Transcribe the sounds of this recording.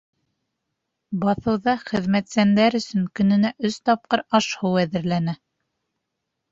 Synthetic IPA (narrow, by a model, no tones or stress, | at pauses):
bɑθɤ̆wðɑχɘ̆ðmæt̪sænd̪æɾɵ̆sɵŋkɵ̆nɘ̆næʔɵst̪ɑp̚qɤɾɑʃhɤwæðɘ̆ɾlænæ